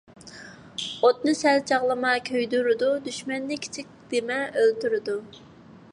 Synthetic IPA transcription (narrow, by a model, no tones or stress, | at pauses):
ot̪̚nɨsɛlt͡ʃʰɑʁlˠɨmɑkʲʰøjd̪yɾɨd̪ud̪yʃmɛnːɪkʲʰi̥t͡ʃʰik̚ʲd̪̥emɛølt̪yɾɨd̪u